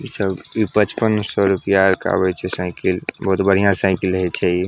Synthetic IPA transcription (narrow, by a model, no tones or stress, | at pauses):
isəbipət͡ʃpənsɔɾupijaɾka̰bɛt͡ʃʰɛsãɪkilbəɦut̪bəɽ̤ijãsãɪkiləɦɛt͡ʃʰɛi